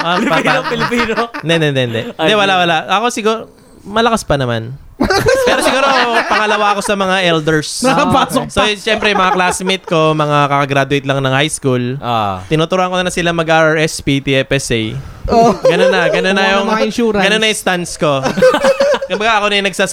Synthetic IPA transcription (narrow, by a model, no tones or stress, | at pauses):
ʔopaaopɪlɪpiːnod̪ɛnd̪ɛnd̪ɛʔnd̪ɛd̪ɛwɐlawɐlaʔʔɐko̞sɪɡuɾo | mɐlɐkaspɐnɐma̰n | ppɛːɾosɪɡuːɾopɐŋɐlɐwaɐko̞sɐmɐŋaʔɛld̪ɛɹsɐpaːsoksoʃɛmpɾɛjʊmɐŋaklasmɪt̪̚ko̞mɐŋakɐkɐɡɾad̪ʊwɪjt̪lɐŋnɐŋhajskulo̰t̪ɪnuːt̪ʊɾuʔɐnkonɐsɪlamɐɡʔaɐɛspit̪iɛpɛsɛj | oɡɐnonːɐɡɐnonːɐjʊŋɪnʃuːɾɐɡɐnonːɐjʊŋst̪ansko̞ | kʊmbɐɡaʔɐko̞nɐjʊnɐɡsas